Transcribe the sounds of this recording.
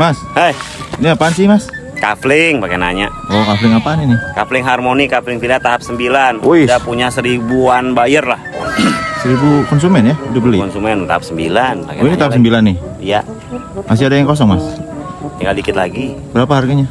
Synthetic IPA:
mashəj | iniapansimas | kaflɪŋpakena̰ɲa | ɔkaflɪŋapaninɪkaflɪŋɦarmonikaflɪŋt̪idat̪aɦap̚səmbilanojdapuɲasəɾibuanbajərlah | səɾibukɔns̬umɛnjaudʊp̚bəlikɔnsumɛnt̪a̰ap̚səmbḭlanpa̰kinit̪aap̚səmbilanːɪija | mas̬ɪadajaŋkɔs̬ɔŋmast̪əŋɡaldikɪt̪̚laɡibəɾapaɦarɡaɲa

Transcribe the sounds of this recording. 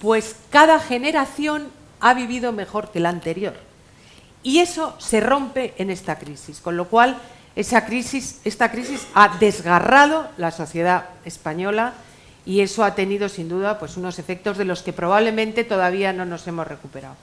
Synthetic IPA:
pwe̞skaðaxe̞ne̞ɾaθjo̞n | aβiβ̞iðo̞me̞xo̞ɾke̞lant̪e̞ɾjo̞ɾ | ie̞so̞se̞ro̞mpe̞ʔene̞st̪akɾisisko̞nlo̞kwal | e̞sakɾisise̞st̪akɾisisaðe̞zɣarað̞o̞laso̞θje̞ð̞ae̞spaɲo̞la | ie̞so̞at̪e̞niðo̞sind̪uðapwe̞suno̞se̞fe̞k̚t̪o̞zðe̞lo̞ske̞pɾo̞β̞aβle̞mẽ̞nt̪e̞t̪o̞ðaβ̞ianõ̞no̞se̞mo̞zre̞kupe̞ɾa̰w

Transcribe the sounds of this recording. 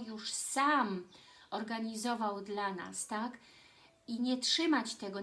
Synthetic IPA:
juʂsam | ɔɾɡaɲizɔvawd̪lana̰st̪ak | iɲɛtʂɘmat͡ɕt̪ɛɡɔ

